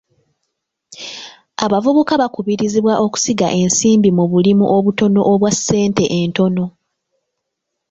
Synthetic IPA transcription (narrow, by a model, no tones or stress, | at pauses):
aβavuβukaβakuβiɾiziβwaʔo̞ku̥siɡaʔe̞nsiːmbimuβulimuʔo̞βuto̞no̞ʔoβwasːe̞ːnte̞ʔento̞no̞